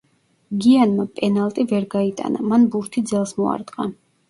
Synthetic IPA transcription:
ɡianmapʼɛnalˠt̪ʼivɛɾɡait̪ʼa̰na̰manbuɾt̪ʰid̪zɛlˠsmɔa̰ɾt̪ʼqʼa

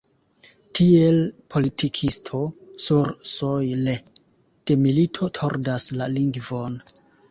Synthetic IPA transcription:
tʰie̞lpʰo̞litʰikʰistʰo̞suɾsojle | d̥e̞militʰo̞tʰo̞ɾdaslaliŋɡvo̞n

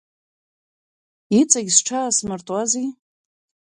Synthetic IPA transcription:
it͡sʼaɡʲsʈ͡ʂʰaːsmɨrtʼwazi

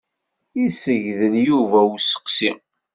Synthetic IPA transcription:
isəʝðəljuvæusə̥qsi

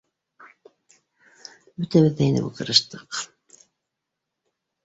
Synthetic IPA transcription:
bɵt̪æβɘðːæinɘ̰bṵkɤ̆ɾɤ̆ʃt̪ɤq

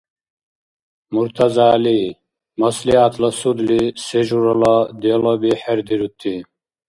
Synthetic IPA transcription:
muɾt̪ʰɐzaːli | mɐsliat̪lɐsud̪liseʒuɾɐlɐd̪elɐbiħeɾd̪iɾut̪ʰːi

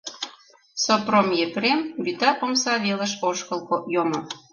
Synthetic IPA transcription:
sopromjepɾembyt̪ɑpomsɑβelə̆ʃoʃkə̆lˠkojomŏ

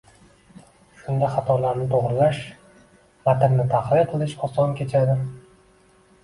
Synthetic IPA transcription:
ʃʊnd̪aχat̪ʰɒlaɾnɪt̪ʰoʁɾɪlaʃ | vat̪ɪɾnɪt̪ʰaχlˠɪqʰɨlˠɪʃɒsɒnkʲʰe̞t͡ʃʰad̪ɪ

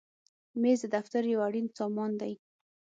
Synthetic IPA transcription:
mezd̪əd̪aft̪aɾjawaɽinsɑmɑnd̪aj

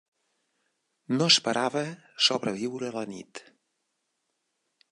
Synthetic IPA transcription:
noəspəɾʔaβə | soβɾəβiwɾələnḭt̪

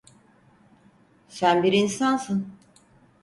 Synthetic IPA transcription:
sænbiɾinsansɯn

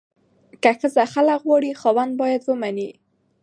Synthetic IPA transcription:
kaxəzaxalakɣwɑɽixɑwand̪̚bɑjad̪wəmani

